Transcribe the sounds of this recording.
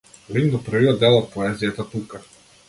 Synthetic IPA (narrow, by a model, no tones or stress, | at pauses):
lind̪ɔpr̩viɔd̪̚ɛlˠɔt̪̚pɔɛzijat̪at̪uka